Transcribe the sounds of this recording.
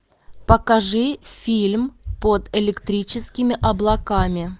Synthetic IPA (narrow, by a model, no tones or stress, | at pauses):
pəkɐʐɨfʲilʲmpod̪ɪlʲɪkt̪ɾʲit͡ɕɪskʲɪmʲɪʔɐblˠɐkamʲɪ